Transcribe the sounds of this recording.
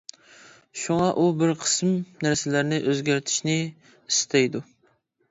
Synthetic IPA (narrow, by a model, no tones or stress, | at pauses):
ʃuŋɑʔubɪɾqʰə̥smnæɾsɪlæɾnɪʔøzɡʲæɾt̪ʰɪ̥ʃnɪ | ist̪ʰɛjd̪u